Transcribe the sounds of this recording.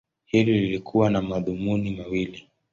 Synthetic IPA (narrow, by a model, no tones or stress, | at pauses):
hilililikʰuwanamaðumunimawili